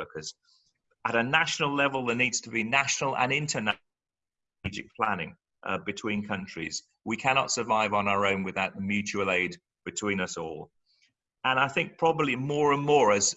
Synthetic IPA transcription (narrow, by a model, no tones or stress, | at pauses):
kʰəz̥ | əɾənaʃnəlˠlɛvəlˠðəniːdz̥tʰəbinaʃnəl̩ˠə̰̃nɪ̃ntʰəna | d͡ʒɪ̰k̚pʰl̥anɪ̰̃ŋ | ʔbɨtʰw̥ĩːnkʰʌ̃nt͡ʃɹ̥ḭz | wikʰanɑ̰tsəvaɪvə̃n̩aʊə˞õʊ̃nwɨðaʊʔ̚mjʉˑt͡ʃʉəleɪd | b̥ɨtʰw̥ĩːnʌsɔːlˠ | ə̃naɪθɪ̃ŋk̚pʰɹ̥ɒbəblimɔːɹə̃nmɔːɹəz̥